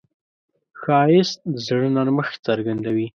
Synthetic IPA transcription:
xɑjɪst̪̚əzɽənaɾməxt͡səɾɡand̪awi

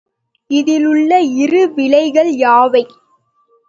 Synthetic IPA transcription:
ɪðɪlɯɭːɐɪrɯʋɪlɐɪɣɐɭjaːʋɐɪ

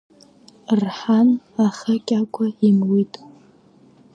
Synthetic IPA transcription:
rħan | aχakʲʼakʷʼʰaimwitʼ

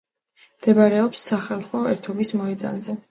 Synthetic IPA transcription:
md̪̥ɛbaɾɛɔpsːaχalˠχɔɛɾt̪ʰɔbismɔɛd̪a̰nzɛ

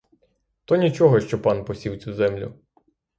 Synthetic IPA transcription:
t̪ɔnʲit͡ʃɔɦɔʃt͡ʃɔpɑnpɔsʲiwt͡sʲuzɛmlʲʊ̰

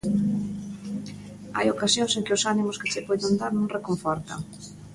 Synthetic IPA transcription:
a̰jokasjoŋseŋkɪʊsanimʊskɪt͡ʃɪpɔðond̪aɾnõŋrekoɱfɔɾt̪ɐ̰ŋ

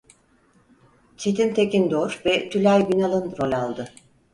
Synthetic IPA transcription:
t͡ʃʰe̞t̪ʰint̪ʰe̞kind̪oɾvɛt̪ʰylʲajbinalˠɯnɾolʲalˠd̪ɯ

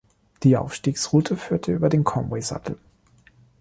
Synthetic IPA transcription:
d̥iːʔa̰ʊfʃtiːksʁ̥uːtʰəfyːɐtʰəʔyːbɐdeːnkʰɔmwɛɪza̰tʰl̩

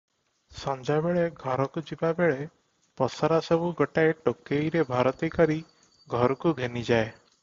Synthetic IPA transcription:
sɔnd͡ʒabeɭeɡʱɔɾɔkud͡ʒibabeɭe | pɔsaɾasɔbuɡɔʈaeʈokejɾebʱaɾɔt̪ikɔɾi | ɡʱɔɾɔkuɡʱenid͡ʒae

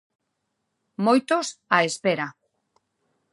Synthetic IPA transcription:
mojt̪osaespeɾa

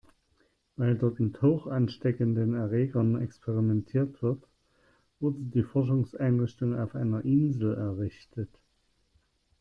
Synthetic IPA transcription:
v̥aɪldɔɐtmɪthoːxʔanʃtɛkəndənɛɐʁeːɡɐnɛ̰kspʰeʁimɛntʰiːɐtv̥ɪɐt | v̥ʊɐdədiːfɔɐʃ̬ʊŋsʔaɪnʁɪçtʊŋa̰ʊfʔa̰ɪnɐʔɪnzl̩ɛɐʁɪçtʰət

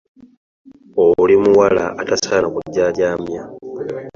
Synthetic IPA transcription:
olimuwala̰ʔːtasaːlakuɟːaːjaːmja

